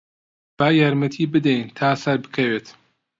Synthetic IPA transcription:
b̥aːjaːɾmɐt̪ʰiːbɨd̪ɛjnt̪ʰaːsɐɾbɨ̥kʰɐweːt̪

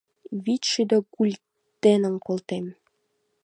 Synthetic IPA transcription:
βitʃyd̪okulʲ | t̪enə̆nkolt̪em

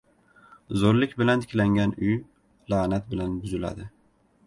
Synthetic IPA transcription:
zoɾlɪkʲbɪlant̪ʰɪ̥kʲlaŋɡʲanʊj | laːnat̪̚bɪlanbʊzɪla̰d̪ɪ

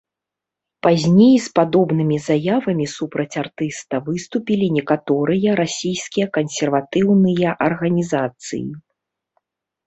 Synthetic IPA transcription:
pazʲnʲejspad̪ɔbnɨmʲizajavɐmʲisupɾɐt͡sʲart̪ɨst̪ɐvɨst̪upʲilʲinʲɛkat̪ɔɾɨjɐɾasʲijskʲijɐkɐnsʲɛrvat̪ɨwnɨjɐʔɐrɣɐnʲizat̪sɨ̰jḭ

